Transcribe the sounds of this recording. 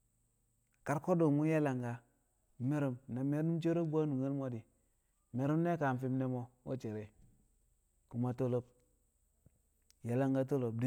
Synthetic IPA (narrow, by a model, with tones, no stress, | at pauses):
ka˦ɾko˦do˨mu˦ja˦la˨ŋɡa˨˦ | me˦ɾo˦mna˨me˦nu˦mt͡ʃe˦ɾo˦bu˦a˦nu˨ŋe˦lmo˦di˨ | me˨ɾu˦mne˦ka˨n˦fi˦mne˦mo˦wo̰˦t͡ʃe˨ɾe˨ | ku˨ma˨to˦lo˦p̚ | ja˨la˦ŋɡa˦t̬o˦lo˨b̚di˦